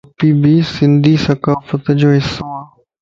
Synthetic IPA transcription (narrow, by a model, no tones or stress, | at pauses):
piːbiːsɪ̃nd̪iːsɐkaːfət̪d͡ʑoːɪsːoaː